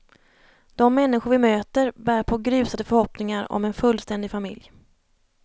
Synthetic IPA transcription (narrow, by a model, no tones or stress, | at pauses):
d̪̥ɔmːɛnːɪɧʊɾvɪmøːt̪əɾbæːɾpʰɔːɡɾʉ̟ːsad̪əfœɾhɔpnɪŋaɾɔ̰mɛnfɵlːst̪ɛnd̪ɪfamɪ̰lj